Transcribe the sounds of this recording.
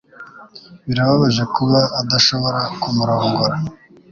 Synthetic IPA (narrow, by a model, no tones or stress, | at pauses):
βiɾaβaβaʒekuβaːd̪aʃoβoɾakumuɾaoŋɡoɾa